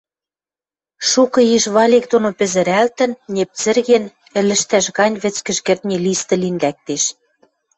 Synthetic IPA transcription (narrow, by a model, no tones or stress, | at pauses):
ʃukɤ̆iʃβɑlʲek̚d̪onopɘ̆zɘ̆ɾælt̪ə̆nːʲep̚t͡sɘ̆rɣen | ɘ̆lɘ̆ʃt̪æʃɣɑnʲβɘ̆t͡skə̆ʃkĕrt̪nʲelist̪ɤ̆linlæk̚t̪eʃ